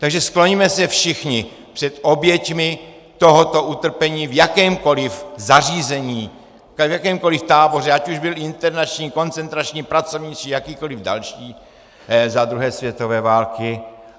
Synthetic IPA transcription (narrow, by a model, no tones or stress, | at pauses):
t̪aɡʒɛsklo̞ɲimɛsɛfʃɪxɲɪ | pr̥ɛt̪ʔo̞bjɛcmɪ | t̪o̞ɦot̪o̞ʔut̪r̩pɛɲiːvjakɛːmko̞lɪfzariːzɛɲiː | vjakɛːmko̞lɪft̪aːbo̞rɛacuʒbɪlɪnt̪ɛɾnat͡ʃɲiːko̞nt͡sɛnt̪ɾat͡ʃɲiːpɾat͡so̞vɲit͡sijakiːko̞lɪvda̰lʃiː | zad̪ɾuɦɛːsvjɛt̪o̞vɛːvaːlkɪ